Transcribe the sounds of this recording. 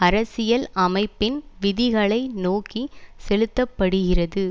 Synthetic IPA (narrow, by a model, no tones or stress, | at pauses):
ɐɾɐsɪjɐlɐmɐɪpːɪnʋɪðɪɣɐɭɐɪnoːkisɛlɯt̪ːɐpːɐɽɯɣɪrɐðɯ